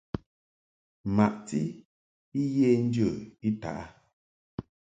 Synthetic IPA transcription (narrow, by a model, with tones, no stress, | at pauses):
ma˨ʔti˦ | i˦jeː˦n̩˦djə˦˨i˦ta̰˨ʔa˦